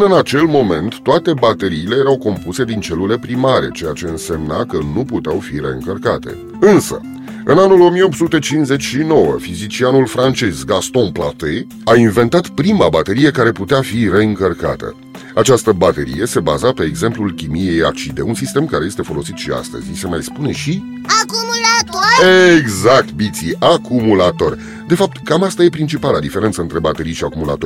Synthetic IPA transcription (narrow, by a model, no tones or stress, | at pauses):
nɨnat͡ʃe̞lmo̞me̞nt̪ːoat̪e̞bat̪e̞ɾiːle̞jeɾawko̞mpuse̞d̪int͡ʃe̞lule̞pɾimaɾe̞̰t͡ʃe̞jat͡ʃe̞ɨnse̞mnakənuput̪eawfiɾe̞ɨŋkərkat̪e̞̰ | ɨnsə̰ | ɨnanulo̞mijeo̞p̚tsut̪e̞t͡ʃinze̞t͡ʃʲʃino̞wəfizit͡ʃianulfɾant͡ʃe̞zɡast̪õplat̪e | ainve̞nt̪at̪pɾimabat̪e̞ɾije̞kaɾe̞put̪eafiɾe̞ɨŋkərka̰t̪ə̰ | at͡ʃast̪əbat̪e̞ɾḭje̞se̞bazape̞ːɡze̞mplulkʲimije̞ja̰t͡ʃid̪e̞̰unsist̪e̞mkaɾe̞je̞st̪efo̞lo̞sit̪ʃia̰st̪ə̰zʲise̞majspune̞ʃi | akumulat̪oeɡzak̚t̪̚bit̪siakumulat̪o̞rʲ | d̪e̞fap̚t̪kamast̪aje̞pɾint͡ʃipalad̪ifeɾent̪səɨnt̪ɾe̞bat̪e̞ɾijʃiakumula̰t̪o̞